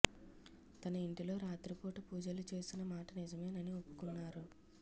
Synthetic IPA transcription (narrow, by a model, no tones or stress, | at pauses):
t̪ɐnɐiɳʈilo̞ːɾaːt̪ɾipoːʈupuːd͡ʒɐlut͡ʃe̞ːsinːɐmaːʈɐnizɐme̞ːnɐniopːu̥kunːaːɾu